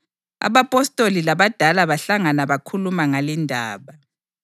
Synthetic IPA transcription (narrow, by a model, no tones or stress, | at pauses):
a̰βapʼɔstʼolilaβad̥ʱalaβaɬaŋanaβakʰulumaŋalindʱaːβa